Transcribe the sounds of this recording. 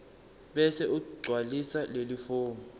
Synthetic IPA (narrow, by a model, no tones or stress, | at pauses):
ɓɛsɛʔukuɡ͡ǀʱwalisalelifoːŋu